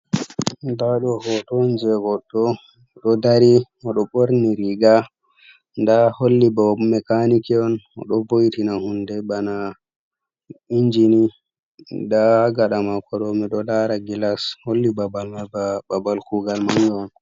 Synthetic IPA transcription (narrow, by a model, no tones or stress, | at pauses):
ndaɗɔhɔtɔnd͡ʒɛɡɔɗɔ | ɗɔdaɾi | ɔɗɔɓoɾniɾiɡa | ndaholːibamɛkanikɛɔnɔ̰ɗɔbojtinahundɛbana | iɲd͡ʒini | daɡaɗamakʰɔɗɔmɛɗɔdaɾaɡilasholːibabalmbbabalkuɡalmaŋɡɛɔn